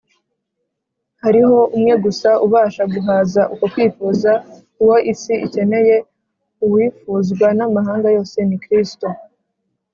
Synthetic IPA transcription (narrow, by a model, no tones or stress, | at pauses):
haɾiho̞umŋe̞ɡusauβaːʃaɡuɦaːzaʔuko̞kwiːfuːza | uwo̞ʔisiice̞ne̞je̞ | uwiːfuːzɡwanamaɦaːŋɡajo̞ːse̞nikɾisto̞